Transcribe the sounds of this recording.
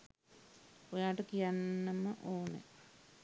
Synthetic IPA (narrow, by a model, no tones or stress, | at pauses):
ojaːʈəkijanːəməʔoːnḛ